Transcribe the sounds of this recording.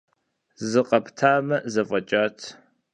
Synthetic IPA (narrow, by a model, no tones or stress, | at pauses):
zɨqʼɐpʰtʰaːmɐzɐfʼɐt͡ʃʼaːtʰ